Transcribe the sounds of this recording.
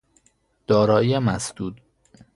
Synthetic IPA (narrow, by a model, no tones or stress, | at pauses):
d̪̥ɒːɾɒːiemæsd̪̥uːd̪